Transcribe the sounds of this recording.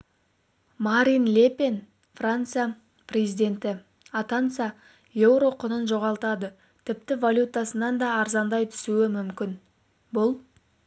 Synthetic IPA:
maɾʲinlʲepe̞n | frant̪sɨja | prʲe̞zijd̪e̞nt̪ɪ | ɑt̪ant̪sɨja | je̞wɾo̞qʰʊnənʒo̞ʁɑlˠt̪ɑd̪ə | t̪ʰɪp̚t̪ɪvalʲjut̪asənɑnd̪ɑːɾzɑnd̪ɑjt̪ʰʏ̥suɪmʏmkʲɪn | bʊlˠ

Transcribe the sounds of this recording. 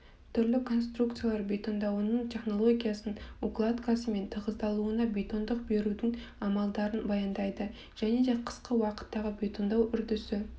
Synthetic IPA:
t̪ʰʏɾlɪkʰo̞nst̪rukt̪sɨjalˠɑɾbʲe̞t̪o̞nd̪ɑwənəɴt̪ʲʰe̞χno̞lˠo̞ɡʲijasənuklˠat̪kʰasəme̞nt̪ʰəʁəzd̪ɑlˠuənɑbʲe̞t̪o̞nd̪əq̚be̞ɾud̪ɪŋ | ɑmɑlˠd̪ɑɾənbɑjɑnd̪ɑjd̪ə | ʒ̥æne̞d̪eqʰə̥sqəwɑqə̥t̪ːɑʁəbʲe̞t̪o̞nd̪ɑwʔʏɾd̪ʏsɪ

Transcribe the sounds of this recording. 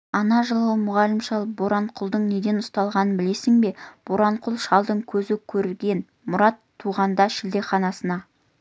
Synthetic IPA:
ɑnɑʒəlˠəmʊʁɑlɪmʃɑlˠboɾɑɴqʰʊlˠd̪əɴne̞d̪e̞nʊst̪ɑlˠʁɑnənbɪle̞sɪŋbe̞b̥oɾɑɴqʰʊlˠʃɑlˠd̪əɴkʲʰɵzɪkʲʰɵɾɪlɡʲe̞n | mʊɾɑt̪ʰːuʁɑnd̪ɑʃɪld̪e̞χɑnɑsənɑ

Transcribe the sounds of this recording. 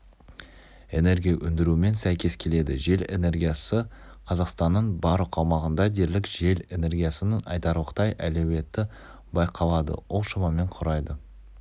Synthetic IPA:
e̞ne̞ɾɡʲijaʔʏnd̪ɪɾuɪme̞nsæjkʲe̞skʲʰe̞le̞d̪ɪʒe̞le̞̰ne̞ɾɡʲijɑsə | qʰɑzɑqst̪ɑnːəɴbɑɾqɑwmɑʁənd̪ɑd̪e̞ɾlɪkʒ̥e̞le̞ne̞ɾɡʲijasənənɑ̰jt̪ɑɾuəqʰt̪ɑjʔælo̞we̞t̪ːɪ | bɑjqʰɑlˠɑd̪ə̰wolˠʃɑmɑme̞ɴqʰʊɾɑjd̪ə

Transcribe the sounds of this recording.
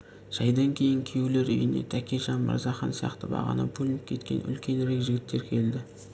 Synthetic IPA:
ʒ̥ɑjd̪ɑŋkʲʰe̞jɪŋkʲʰeule̞ɾʏ̰jɪne̞̰t̪ʰækʲeʒɑnbə̰ɾzɑχɑnsijɑ̰qt̪əbɑ̰ʁɑ̰nə̰pʰulʲɪnəp̚kʲʰe̞t̪kʲe̞̰nʏ̰lkʲe̞neɾekʒɪɡʲɪt̪ːe̞ɾkʲʰe̞ld̪ɪ

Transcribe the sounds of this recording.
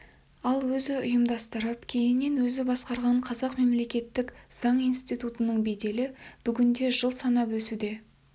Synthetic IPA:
ɑlˠwɵzɪʊjəmd̪ɑst̪əɾəpkʲʰe̞jɪnːe̞nwɵzɪbɑsqɑɾʁɑɴqʰɑzɑqme̞mle̞kʲe̞t̪ːɪkz̥ɑɴijnst̪ijt̪ut̪ənəɴbe̞jd̪e̞lɪb̥ʏɡʲɪnd̪e̞ʒəlˠsɑnɑpwɵsud̪e̞

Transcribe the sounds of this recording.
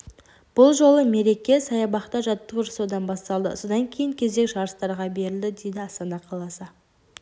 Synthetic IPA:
b̥ʊlˠʒo̞lˠəme̞ɾe̞kʲe̞sɑjɑbɑqt̪ɑʒɑt̪ːəʁɾsod̪ɑnbɑst̪ɑlˠd̪ə̰so̞d̪ɑŋkʲʰe̞jɪŋkʲʰe̞ze̞kʒɑɾəst̪ɑɾʁɑbe̞ɾɪld̪ɪd̪e̞jd̪ɪɑst̪ɑnɑqʰɑlˠɑsə

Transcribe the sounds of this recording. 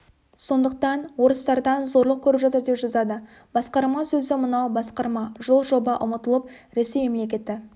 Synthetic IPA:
so̞nd̪əq̚t̪ɑnwo̞ɾəst̪ɑɾd̪ɑnzo̞ɾlˠəq̚kʲʰɵɾɪpʒɑt̪əɾd̪e̞pʒɑzɑd̪ə | b̥ɑsqɑɾmɑsɵzɪmʊnɑwbɑsqɑɾmɑʒo̞lˠʒo̞bɑʔʊmət̪əlˠəp̚ | ɾe̞se̞jmemle̞kʲe̞t̪ɪ

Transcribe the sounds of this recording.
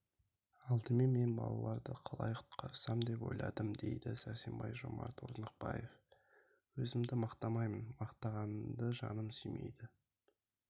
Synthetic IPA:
ɑlˠd̪əme̞nme̞nbɑ̰lˠɑlˠɑɾd̪əqʰɑlˠɑjqʰʊ̥t̪qʰɑɾsɑmd̪e̞pwo̞̰jlˠɑd̪əmd̪e̞̰jd̪ɪsæsembɑjʒo̞mɑ̰ɾt̪wo̰znəq̚bɑjef | wɵzɪmd̪ɪmɑqt̪ɑmɑjmənmɑqt̪ɑʁɑnəmd̪əʒɑnəmsyjme̞̰jd̪ɪ

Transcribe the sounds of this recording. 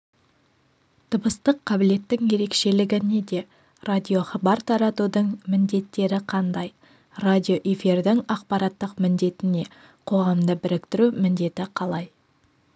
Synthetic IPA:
t̪ʰəbəst̪əqʰːɑbɪle̞t̪ːɪŋje̞ɾe̞kʃe̞lɪɡʲɪned̪e̞ | rad̪ʲijo̞χɑbɑɾt̪ʰɑɾɑt̪ud̪əɴmɪnd̪e̞t̪ːe̞ɾɪqʰɑnd̪ɑj | rad̪ʲijo̞ʔefiɾd̪ɪŋɑqpɑɾɑt̪ːəqmɪnd̪e̞t̪ɪne̞ | qʰo̞ʁɑmd̪əbɪɾɪkt̪ɪɾumɪnd̪e̞t̪ɪqʰɑlˠɑj

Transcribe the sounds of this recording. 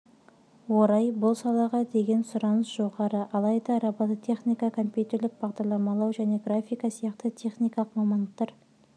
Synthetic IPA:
woɾɑjbʊlˠsɑlˠɑʁɑd̪e̞ɡʲe̞nsʊɾɑnəsʒ̥o̞ʁɑɾəʔɑlˠɑjd̪ɑɾɑbɑt̪ət̪ʰe̞χnijkɑkʰo̞mpʲjut̪ʲe̞rlʲɪk̚b̥ɑʁd̪ɑɾlˠɑmɑlˠɑwʒæne̞ɡrafʲijkɑsijɑqt̪ət̪ʰʲe̞χnijkɑlˠəqmɑmɑnd̪əq̚t̪ɑɾ

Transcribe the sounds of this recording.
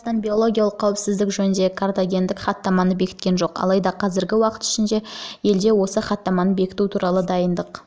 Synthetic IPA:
st̪ɑnbʲijo̞lˠo̞ɡʲijɑlˠəqʰːɑwɪpsɪzd̪ɪkʒɵnɪnd̪e̞kʰart̪aɡʲe̞nd̪ɪkχɑt̪ːɑmɑnəbe̞kʲɪt̪kʲe̞nʒo̞qɑ̰lˠɑjd̪ɑqʰɑzɪɾɡʲɪwɑqə̥t̪ʏ̥ʃɪnd̪e̞je̞ld̪e̞wo̞səχɑt̪ːɑmɑnəbe̞kʲɪ̥t̪ut̪ʰuɾɑlˠəd̪ɑjənd̪əq

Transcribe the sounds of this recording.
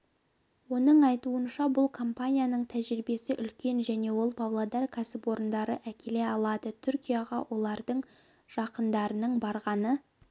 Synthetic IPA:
wo̞nəɴɑjt̪uənʃɑbʊlˠkʰo̞mpanʲijanəɴt̪ʰæʒɾɪbe̞sɪʔʏlkʲe̞nʒæne̞wo̞lˠpʰavlˠod̪ɑrkʰasɪpwo̞ɾənd̪ɑɾəʔækʲʰe̞le̞ɑlˠɑd̪ət̪ʰʏɾkʲijɑʁɑwʔo̞lˠɑɾd̪əɴ | ʒ̥ɑqənd̪ɑɾənəɴbɑɾʁɑnə

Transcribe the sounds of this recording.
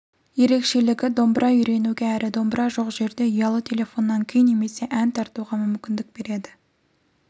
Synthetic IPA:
je̞ɾe̞kʃe̞lɪɡʲɪd̪o̞mbɾʔɑʏjɾe̞nuɡʲe̞æɾɪd̪o̞mbɾɑʒo̞qʒe̞ɾd̪e̞ijɑlˠət̪ʰe̞lʲe̞fo̞nːɑŋkʲʰejɪnːe̞me̞se̞ʔænt̪ʰɑɾt̪uʁɑmʏmkʲɪnd̪ɪk̚be̞ɾe̞d̪ɪ

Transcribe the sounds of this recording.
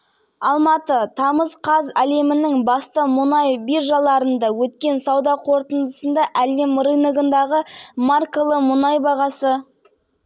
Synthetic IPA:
ɑlˠmɑt̪ət̪ʰɑməzqʰɑzæle̞mɪnɪŋbɑst̪əmʊnɑjbirʒɑlˠɑɾənd̪ɑwɵt̪kʲe̞nsɑwd̪ɑqʰo̞ɾt̪ənd̪əsənd̪ɑʔæle̞mɾɨnəɡənd̪ɑʁəmarkolˠəmʊnɑjbɑʁɑsə

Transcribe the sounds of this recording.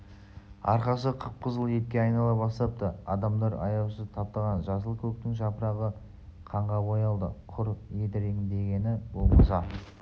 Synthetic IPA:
ɑ̰ɾqɑsəqʰəɾppʰəzəlˠe̞t̪̚kʲeɑjnɑlˠɑbɑst̪ɑp̚t̪əɑ̰d̪ɑmd̪ɑɾɑ̰jɑwʃət̪ʰɑp̚t̪ɑʁɑnʒɑs̬əlˠkʲʰɵk̚t̪ɪŋʒɑpəɾɑʁə | qʰɑɴʁɑbojɑlˠd̪ə̰qʰʊɾjet̪ɪɾeŋɪnd̪e̞ɡʲe̞nɪbolˠmɑsɑ

